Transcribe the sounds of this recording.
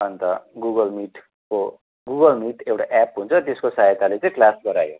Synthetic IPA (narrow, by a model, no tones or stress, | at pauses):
ʌnt̪ʌɡuɡʌlmiʈ | ko | ɡuɡʌlmiʈewʈaʔɛpɦunt͡sʰʌt̪eskosajet̪alet͡sʌ̃ĩklasɡʌɾajo